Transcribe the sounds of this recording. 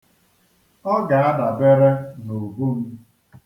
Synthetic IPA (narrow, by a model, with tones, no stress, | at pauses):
ɔ˦ɡa˨a˦da˨be˦ɾe˦no˨bu˦m̩˦